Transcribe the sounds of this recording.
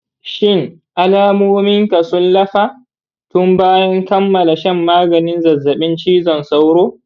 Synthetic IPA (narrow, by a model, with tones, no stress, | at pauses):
ʃɪ˦˨ŋʔa˦laː˦moː˦mɪ˦ŋka˨sʊ˦nlɐ˦ɸaː˦ | tʊ˦mbaː˦jɐ˦ŋkɐ˦mːɐ˨la˨ʃɐ˦mːaː˦ɡɐ˨nɪ˦nzɐ˨zːɐ˨ɓɪ˦nt͡ʃiː˦zɔ˨nsa˦wɽoː˦